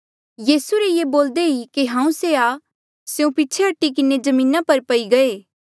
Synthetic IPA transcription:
jiːsuɾejeboːld̪eikiɦãːũsea | seũpitːt͡ʃʰeɦɐʈːik̬ɪned͡ʒɐmĩːnapɐɾpɐiɡɐeː

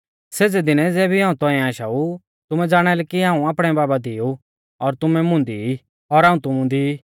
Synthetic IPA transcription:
seːd͡zɛd̪ɪnɛd͡zɛːbʱiɦãːũt̪ɔ̃ːɛ̃aːʃa̰u | t̪ʊmɛ̃d͡zaːɽ̃ɛlɛkiɦãːũaːpɽ̃ɛ̃baːbad̪iju | ɔɾt̪ʊmɛ̃mʊ̃ːnd̪ii | ɔɾaːũt̪ʊmũd̪i

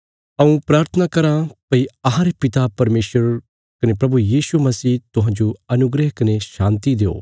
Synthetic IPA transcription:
ɐũpɾaːɾt̪ʰənakɐɾãpɐiɐɦãɾepɪt̪apɐɾmeːʃəɾ | kɐnepɾɐbujiːʃumɐsiːt̪ʊɦãːd͡ʒoɐnʊɡɾəɦkɐneʃãːnt̪id̪eːo̰ː

